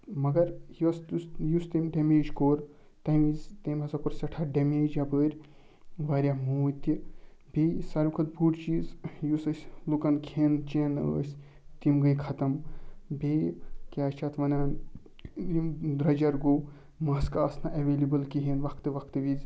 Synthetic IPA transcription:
mɐɡɐɾjist̪usjust̪imɖemeːd͡ʒkoːɾ | t̪ɐmizt̪eːmɐzɐkuɾsɐʈʰaːɖɐmeːd͡ʒɐbəːɾʲ | ʋaːɾʲamuːt̪ʲibʲeːsɐɾmkʰɐt̪̚buːʈt͡ʃiːzjusɐsʲlukɐnkʰeːnt͡ʃeːnə̰ːsʲ | t̪imɡɐjkʰɐt̪ɐmbeːkʲaːt͡ʃʰɐt̪ʰʋɐnaːn | d̪ɾɐd͡ʒɐɾɡoː | mɐskaːsnɐʔɐʋeːlibɐlkiɦenʋɐkʰt̪ɨʋɐkʰt̪ɨʋizʲ

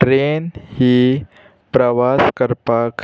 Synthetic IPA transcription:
ʈɾenhiː | pɾəʋaskəɾpak

